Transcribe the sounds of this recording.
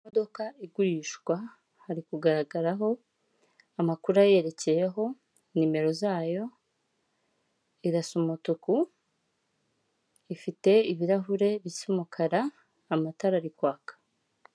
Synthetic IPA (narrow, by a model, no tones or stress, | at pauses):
modo̞kaiɡuɾiːʃɡwa | haɾikuɡaɾaɡaɾaɦo̞ | amakuɾaje̞ɾe̞ce̞jeɦo̞ | nime̞ɾo̞zaːjo̞ | iɾasumutuku | ifite̞iβiɾaɦuɾe̞βisimukʰaɾaː | mataɾaɾikwaːkḁ